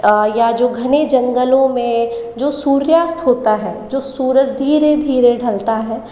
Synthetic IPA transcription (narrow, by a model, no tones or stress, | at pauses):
jad͡ʒoːɡʱɐned͡ʒɐ̃ŋɡəlõmẽd͡ʒoːsuːɾjaːst̪ɦoːt̪aɦɛːd͡ʒoːsuːɾəd͡ʒd̪ʱiːɾed̪ʱiːɾeɖʱɐlt̪aɦɛː